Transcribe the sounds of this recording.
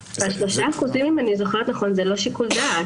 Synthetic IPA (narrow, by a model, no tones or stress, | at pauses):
aʃlo̞ʃaːχuzimimanizoχeʁt̪naχonzelo̞ʃikuld̪a